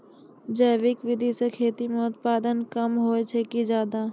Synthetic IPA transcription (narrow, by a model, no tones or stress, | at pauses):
d͡ʒəːʋɪkʋɪd̪ʱisekʰeːt̪imẽʊt̪̚paːd̪ənkɐmɦoːet͡ʃʰekid͡ʒjaːd̪aː